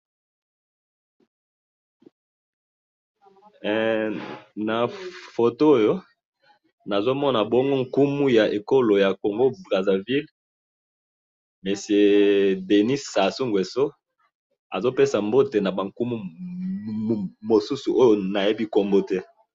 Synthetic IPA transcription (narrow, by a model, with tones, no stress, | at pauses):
na˨fo˨to˦o˦jo˦ | na˨zo˦mɔ˦na˨bo˦ŋɡo˦ŋ̩ku˦mu˦ja˨ʔe˨ko˦lo˨ja˨ko˨ŋɡo˦bʁa˨za˨vi˦l | me˨se˨de˨ni˦sa˨su˦ŋɡwe˨so˦ | a̰˨zo˦pe˦sa˨mbo˦te˨na˨ba˨ŋku˦mu˦˨ | mo˨su˦su˨ʔo˦jo˨na˨je˦bi˦ko˨mbo˦tɛ˦